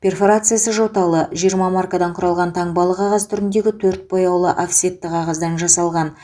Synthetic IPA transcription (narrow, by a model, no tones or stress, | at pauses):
pʲe̞rfo̞ɾat̪sɨjasəʒo̞t̪ɑlˠəʒijəɾmɑmarkad̪ɑɴqʰʊɾɑlˠʁɑnt̪ʰɑɴbɑlˠəqʰɑʁɑst̪ʰʏɾɪnd̪e̞ɡʲɪt̪ʰɵɾt̪̚bo̞jɑwlˠəʔafsʲet̪ːɪqʰɑʁɑzd̪ɑnʒɑsɑlˠʁɑn